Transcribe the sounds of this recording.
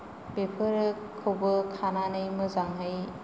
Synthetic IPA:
bepʰɯɾɯ | kʰːobɯkʰananɯjmɯzaŋɦɯj

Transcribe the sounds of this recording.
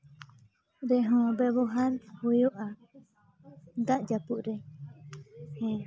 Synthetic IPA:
ɾeɦõbeβoɦaɾhojoʔa | d̪aʔd͡ʒapuʔɾe | hẽ

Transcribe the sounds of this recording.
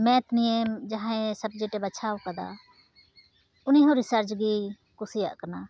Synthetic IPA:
mɛ̃ːt̪nied͡ʒaɦãẽsəb̚d͡ʒeːʈeːbət͡ʃʰaːokəd̪a̰ː | ʊnĩːɦõːɾɪsəɾt͡ʃɡiː | kʊsija̰ʔkənaː

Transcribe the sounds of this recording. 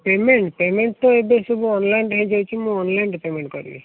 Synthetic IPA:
pemeɳʈpemeɳʈ̚t̪ɔeb̪esubuɔnlajnɖɦẽd͡ʒɔwt͡ʃʰimũɔnlajnɖipemẽɳʈkɔɾṵbḭ

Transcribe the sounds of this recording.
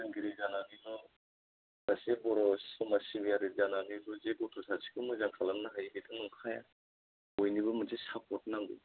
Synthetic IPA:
ɯŋɡiɾizananibɯ | dasibɔɾɔsɔmasibijaɾizananibɯzebɔtʰɔsasi̥kʰɯmɯzaŋkʰalanːaɦajbitʰɯnuŋkʰaja | ɔjnibɯmɯzesap̚ɔt̚naŋɡɯ̰

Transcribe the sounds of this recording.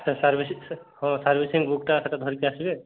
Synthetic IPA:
t͡ʃʰasaɾbʱishɔ̃saɾbʱisiŋɡbuk̚ʈasɛʈad̪ʱɔɾikeasibe

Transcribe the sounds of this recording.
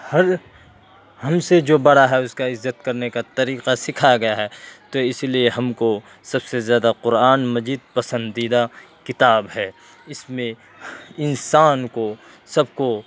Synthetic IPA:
hɐɾ | hɐmsed͡ʒoːbɐɽaɦɛʊskaɪzːət̪kɐɾnekat̪ɐɾiːqasɪkʰaɡɐjaɦɛːt̪oɪslieɦɐmko | sɐbsezjaːd̪aqʊɾaːnmɐziːd̪̚pɐsə̃nd̪iːd̪a | kɪt̪aːbɦɛː | ɪsmẽ | ɪnsaːnko | sɐbko

